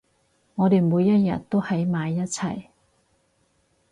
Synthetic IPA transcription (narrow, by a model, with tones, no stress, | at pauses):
ŋɔː˨˧t̪e˨jmuː˨˧jːɐ˥t̚jɐ̰˨t̚t̪o˥whɐ˨˥jmaː˨˧jːɐ˥t̚t͡sʰɐ˨˩j